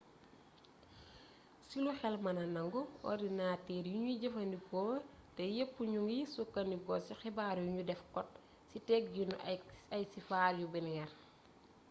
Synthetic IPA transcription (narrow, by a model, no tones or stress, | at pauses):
siluxɛlmɐnɐnɐŋɡɔɔ̰dinaːtɛːɾjuɲuɟɐfɐndikɔːwɐtɛjepːuɲuŋjisukːɐndiɡɔsixɛbaːɾjuɲudɛfkɔt̚ | sitɛk̚ɡinɐjsifaːɾjubɛnŋɛr